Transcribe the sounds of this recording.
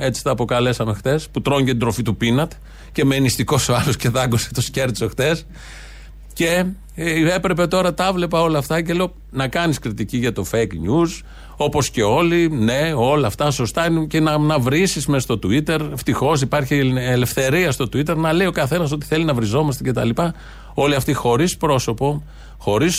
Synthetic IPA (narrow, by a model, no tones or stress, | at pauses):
e̞t͡si̥t̪ɐːpo̞kɐle̞sɐme̞xtθe̞sput̪ɾo̞ɲɟet̪id̪ɾo̞fit̪upinɐt̪e̥ | ce̞menist̪iko̞soɐlosce̞ðɐɡuse̥t̪osce̞ɾt̪so̞xt̪e̞s | ce̞ | epɾe̞pe̞t̪o̞ɾɐt̪ɐvle̞pɐo̞lɐft̪ɐceleo̞ | nɐkɐniskɾit̪iciʝɐt̪o̞fejkɲuz | o̞po̞sce̞o̞line̞o̞lɐːft̪ɐso̞st̪ɐincenɐnɐvɾisismest̪o̞t̪uit̪e̞ɾft̪ixo̞s̬ipɐɾçiele̞fθe̞ɾiɐst̪o̞t̪uit̪e̞ɾnɐle̞io̞kɐθe̞nɐs̬o̞t̪i̥θe̞linɐvɾizo̞mɐst̪e̞ce̞t̪ɐlipɐ | o̞liɐft̪ixo̞ɾispɾo̞so̞po̞ | xo̞ɾis